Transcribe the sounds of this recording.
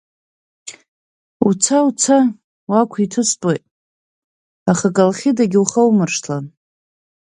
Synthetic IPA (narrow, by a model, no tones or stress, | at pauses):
ut͡sʰaut͡sʰa | wakʷʰitʰɨstʼejtʼ | aχakʼalχʲidaɡʲuχawmɨrʂtʰla